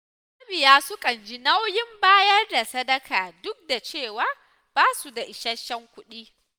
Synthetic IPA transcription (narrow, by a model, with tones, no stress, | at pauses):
sbɪ˨jaː˦sʊ˦kʼɐ˨nd͡ʒi˦na˦wjɪ˦mbaː˦jɐ˦rda˨sɐ˦dɐ˦kaː˨dʊ˦k̚da˨t͡ʃeː˦˨waː˦ | b̥aː˦su˨da˨ʔɪ˨ʃɐ˦ʃɐ˦ŋkʷʊ˦ɗiː˦